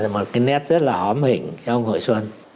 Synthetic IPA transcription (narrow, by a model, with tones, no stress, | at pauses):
a˨˩mo˨˩t̚kaː˨˦jnɛ˦˥t̚z̥ə˦˥t̚laː˨˩ʔɔ˨˦mhï˧˨ŋ̟t͡ɕɔ˧ʔə˧wŋ͡mɦo̰˧˨jswə˧n